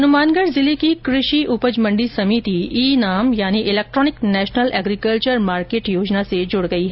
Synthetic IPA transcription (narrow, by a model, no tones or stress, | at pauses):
ɦɐnʊmaːnɡəɽzɪlikikɾɪʃiʔʊpəd͡ʒmə̃ɳɖisɐmiːt̪iiːnaːmjaːniʔɪleːk̚ʈɾɔːnɪknɛːʃnəlɛːɡɾikəlt͡ʃəɾmaːɾkeːʈjoːd͡ʒnased͡ʒʊɽɡɐiɦɛ